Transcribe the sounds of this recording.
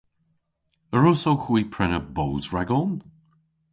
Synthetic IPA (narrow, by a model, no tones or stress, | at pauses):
əɹʊsowxwiːpʰɹɛnəbowzɹɛɡɔn